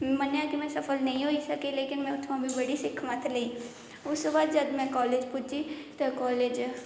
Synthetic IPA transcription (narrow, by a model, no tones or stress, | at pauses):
mɐnjakimɛ̃sɐfəlnɐɦĩɦoisɐkeleːkɪnmɛ̃ʊt̪ʰmãbʱibɐɽisɪkʰmat̪ʰleiː | ʊskebaːd̪d͡ʒɐd̪mɛ̃kɔːleːd͡ʒpuːd͡ʒit̪okɔːleːd͡ʒ